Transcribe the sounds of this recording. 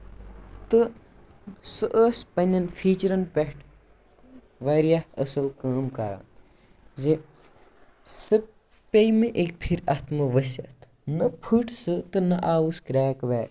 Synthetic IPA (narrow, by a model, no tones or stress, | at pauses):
t̪ɨ | sɨʔəspɐnʲɐnfʰiːt͡ʃɐɾɐnpeʈʰ | ʋɐːɾjahɐsɐlkaːmkɐːɾa̰ | ze | sɨ | pejmeʔek̚pʰiɾɐt̪mɐʋɐsʲɐ̰t̪ʰ | nɐpʰɨʈsɨt̪ɨnɐʔaːʋuskɾɛːkʋɛː